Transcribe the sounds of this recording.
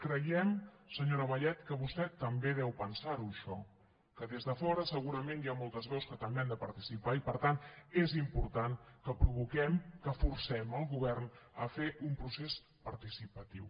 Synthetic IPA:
kɾəjɛmsəɲoɾəβəʎɛt̪kəβust̪ɛt̪ːəmbeðɛwpənsaɾuəʃɔ | kəðezðəfɔɾəsəɣuɾəmenjamolˠt̪əzβɛwskət̪əmbeamnd̪əpəɾt̪isipaipəɾt̪anezimpuɾt̪ankəpɾuβukɛmkəfuɾsɛməlˠɣuβɛrnəfeʔumpɾuses | pəɾt̪isipət̪iw

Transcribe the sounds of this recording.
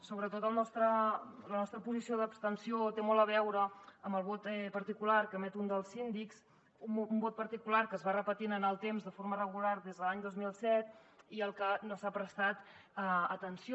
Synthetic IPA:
soβɾət̪ot̪əlˠnɔst̪ɾələnɔst̪ɾəpuzisioðəpst̪ənsiot̪emɔlˠəβ̞ɛwɾəːməlˠβot̪ɛpəɾt̪ikularkəmɛt̪und̪əlˠzind̪iks | umbot̪̚pəɾt̪ikulaɾkəzβarəpət̪inənəlˠt̪emzðəfoɾmərəɣularðezðəlaɲd̪ozmilˠsɛt̪iəlˠkənosapɾəst̪at̪əət̪ənsio

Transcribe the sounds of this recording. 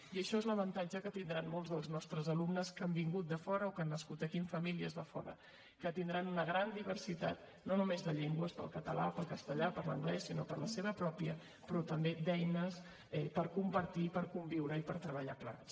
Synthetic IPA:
iəʃɔezləβənt̪ad͡ʒəkət̪ind̪ɾanmolˠzðəlˠznɔst̪ɾəzəlumnəskambiŋɡut̪̚d̪əfɔɾəokanːəskut̪əkiɱfəmiliəzðəfɔ̰ɾə̰ | kət̪ind̪ɾanunəɣ̞ɾand̪iβ̞ərsit̪a̰t̪ | nonumezðəʎɛŋɡwəspə̰lˠkət̪əla̰pəlˠkəst̪əʎapəɾlə̰ŋɡlɛsːinopəɾləseβəpɾɔpjə | pɾɔt̪əmbed̪ɛjnəs | ɛpəɾkumpəɾt̪ipəɾkumbiwɾəipəɾt̪ɾəβ̞əʎapla̰ns

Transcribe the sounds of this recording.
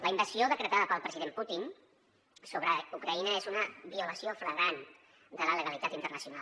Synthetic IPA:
ləimbəsioðəkɾət̪aðəpəlˠpɾəziðemput̪in | soβɾəukɾəinəezunəβiuləsiofɾəɣan | d̪ələləɣəlit̪at̪int̪ərnəsiuna

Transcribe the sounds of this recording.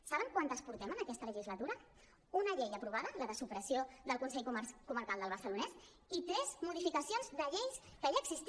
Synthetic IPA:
saβəŋkwant̪əspuɾt̪ɛmənəkɛst̪ələʒizlət̪uɾə | unəʎejəpɾuβaðələðəsupɾəsioðəlˠkunsɛʎkkuməɾkalˠd̪əlˠβəɾsəlunɛs | it̪ɾɛzmuðifikəsionzðəʎejskəiəɡzist̪

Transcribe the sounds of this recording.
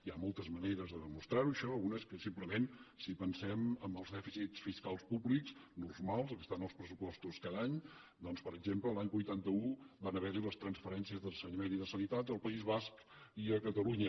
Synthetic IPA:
iamɔlˠt̪əzməneɾəzðəðəmust̪ɾaɾuəʃɔunəskəsimpləmensipənsɛməmbəlˠzðɛfisitsfiskalˠspublikznurmalˠs̬kəst̪anəlˠspɾəs̬upɔst̪uskaðaɲ | d̪ɔnspəɾəɡzempləlaɲbujt̪ant̪əubanəβɛɾiləst̪ɾənsfəɾɛnsiəzðəsəɲəmeniðəsənit̪at̪əlˠpəizβaskiəkət̪əluɲə

